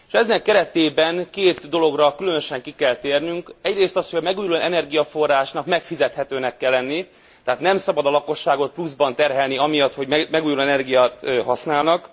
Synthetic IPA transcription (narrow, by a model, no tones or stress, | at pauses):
ʃɛznɛkːɛɾɛt̪eːbɛŋkeːt̪d̪o̞lo̞ɡrɒkylø̞nø̞ʃɛŋkikɛlt̪eːrnyŋkɛɟreːst̪ɒshoɟɒmɛɡuːjuloɛnɛrɡijɒfo̞rːaːʃnɒkmɛkfizɛt̪hɛt̪øːnɛkːɛlːɛnːi | t̪ɛɦaːt̪nɛmsɒbɒd̪ɒlɒko̞ʃːaːɡo̞t̪̚pluzbɒnt̪ɛrɦɛlniɒmijɒt̪ho̞ɟmɛɡuːjuloːɛnɛrɡijaːt̪ɦɒsnaːlnɒk